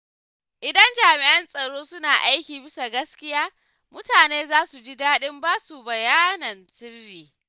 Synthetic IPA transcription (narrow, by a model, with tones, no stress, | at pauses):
ʔɪ˨dɐ˦nd͡ʒaː˨mɪ˨ʔɐ˦nsʼɐ˨ɽoː˦sʊ˦naː˨ʔa˦jkʲiː˨bɪ˦sa˨ɡɐ˦skʲɪ˦jaː˦ | mʊ˦taː˨neː˦zaː˦su˨d͡ʒi˦daː˦ɗɪ˦mbaː˦su˨bɐ˨jaː˦nɐ˨nsɪ˦rːiː˨